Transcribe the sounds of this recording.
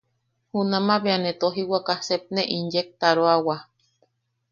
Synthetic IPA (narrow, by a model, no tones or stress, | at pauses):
hunãmãβeanet̪oɦiwakasep̚neʔinjek̚t̪aɾoawa